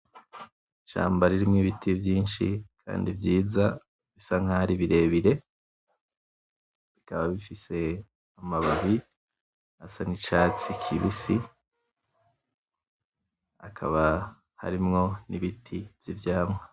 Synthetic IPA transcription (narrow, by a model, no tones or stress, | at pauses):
ʃa̰ːmbaɾiɾimŋiβitʰivjiːnʃḭkʰa̰ːndivjiːza | βisaŋ̥haɾiβiɾe̞βiɾe̞ | βikaβaβifise̞ | amaβaβi | asanit͡ʃaːt͡sikʰiβisi | a̰kʰa̰βa | ha̰ɾimŋo̞niβitʰiv̥jivjaːmŋa